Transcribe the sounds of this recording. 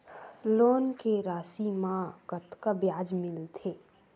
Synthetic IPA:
loːnkeɾaːsimãɡət̪kabjaːd͡ʒmɪlt̪ʰeː

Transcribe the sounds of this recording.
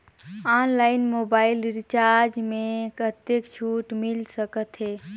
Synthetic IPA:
anlaɪnmobailiɾt͡ʃaɾɾd͡ʒmẽkət̪ekt͡ʃʰuʈmilsəkət̪ɦe

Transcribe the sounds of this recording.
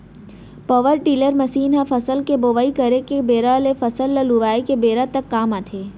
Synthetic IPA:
pɔʋəɾʈiːləɾmɐsiːnɦãfɐsəlkeboːʋaːikɐɾekebeːɾalefɐsəlːəluʋaːikebeːɾat̪əkːaːmaːt̪ʰeː

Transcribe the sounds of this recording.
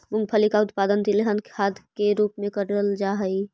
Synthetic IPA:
mʊ̃ŋɡ̚pʰəlikaʊt̪paːd̪ənt̪ileɦənkʰaːd̪keɾuːpmẽkəɾəld͡ʒaɦəi

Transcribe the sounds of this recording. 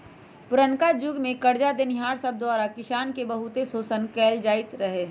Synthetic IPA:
pʊɾənkad͡ʒʊɡmẽkɐɾd͡ʒad̪enɪɦaːɾsəb̚d̪waːɾakɪʃaːnkebəɦʊt̪esoːsənkɛːld͡ʒaːɪt̪ɾəɦeː

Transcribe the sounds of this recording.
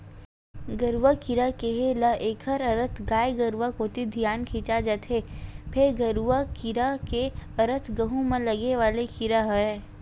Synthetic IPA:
ɡəɾwakɪɾakeɦeləʔeːkʰəɾəɾət̪ʰɡaːjɡəɾwakoːt̪id̪ʱijaːnkʰĩːt͡ʃad͡ʒat̪ɦeːpʰɪɾɡəɾuakɪɾakeɐɾət̪ʰɡɐɦumẽlɐɡeʋaːlekɪɾaɦəɛː

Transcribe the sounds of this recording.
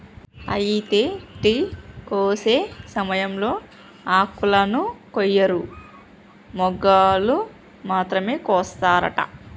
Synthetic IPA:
ɐ̰jit̪eːʈikoːse̞ːsɐmɐjɐmlo̞ː | aːkulɐnukɔjːɐɾu | mɔɡaːlu | maːt̪ɾɐme̞ːkɔːst̪aːɾɐ̰ʈɐ̰

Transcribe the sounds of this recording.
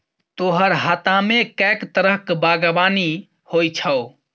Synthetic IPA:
t̪oɦəɾɦat̪amekɛkt̪əɾəɦkbaɡabani | hojt͡ʃʰəʊ

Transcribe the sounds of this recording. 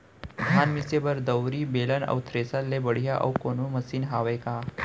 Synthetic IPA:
d̪ʱanmisebəɾd̪əwɾiːbelənə̰wt̪ʰɾesalːebəɽ̤jaʔə̰wkonuməsiːnɦaʋejka

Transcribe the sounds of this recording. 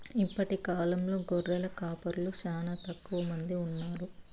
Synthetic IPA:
ipːɐʈikaːlɐmlo̞ːɡoɾːɛlɐkaːpɐɾuluʃaːnɐt̪ɐkːuʋɐmɐnd̪iunːaːɾu

